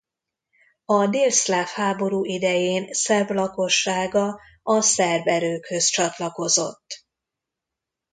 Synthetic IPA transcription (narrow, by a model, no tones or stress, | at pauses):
ɒd̪eːlslaːfhaːbo̞ɾuːʔid̪ɛjeːnsɛrvlɒko̞ʃːaːɡɒ | ɒsɛrvɛɾøːkhø̞st͡ʃɒt̪lɒko̞zo̞̰t̪ː